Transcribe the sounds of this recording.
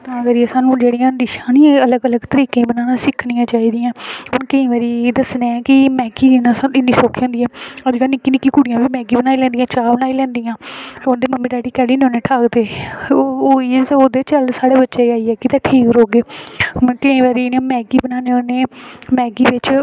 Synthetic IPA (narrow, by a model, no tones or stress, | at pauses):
t̪ãːɡəɾiːsaːnũːd͡ʒeːɽɪjãːd̪ɪʃãːnĩːələɡələɡt̪əɾiːkẽːbənaːnãːsɪkʰnĩjãːt͡ʃaːiːd̪ijãːʊnkəĩːʋaːɾiːd̪əsneːɛ̃ːkɪmɛːɡiːnãːsãɪnːiːsoːkʰiãːnd̪iɛːəd͡ʒɡaːnɪkːiːnɪkːiːkʊɽɪjãːʋiːmɛːɡiːbənaːiːlɛ̃ːnd̪ɪjãːt͡ʃaːbənaːilɛ̃ːnd̪ɪjãːond̪eːməmːiːɖaːʈiːkɛːliːnoːneːʈʰaːkd̪eː | oːioːd̪eːt͡ʃəlsaːɽeːbətːʃeːaːiːɛːkɪt̪ãːʈʰiːkɾoːɡeːmkəĩːʋaːɾiːnãːmɛːɡiːbənaːneoːneːmɛːɡiːʋɪt͡ʃ